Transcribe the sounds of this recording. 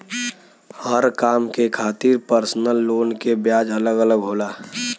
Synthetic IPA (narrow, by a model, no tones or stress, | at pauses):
həɾkaːmkekʰaːt̪iɾpəɾsnəlːoːnkebjaːd͡ʒələɡələɡɦoːlaː